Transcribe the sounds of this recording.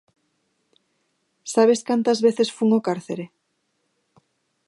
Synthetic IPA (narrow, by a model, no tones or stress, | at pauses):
saβ̞eskant̪azβeθesfuŋokaɾθeɾe